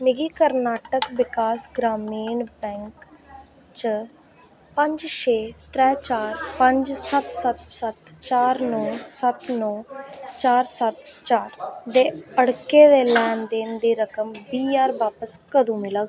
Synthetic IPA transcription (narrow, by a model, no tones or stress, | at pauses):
mɪɡiːkəɾnaːʈəkʋɪkaːsɡɾaːmiːnbɛ̃ːŋk | t͡ʃ | pə̃ɲd͡ʒʃeːt̪ɾɛːt͡ʃaːɾpəɲd͡ʒsət̪sət̪sət̪t͡ʃaːɾnõːsət̪noːt͡ʃaːɾsət̪t͡ʃaːɾd̪eːəɽkeːd̪eːlɛːnd̪eːnd̪iːɾəkəmbiːjaːɾbaːpəskəd̪ũːmɪləːɡ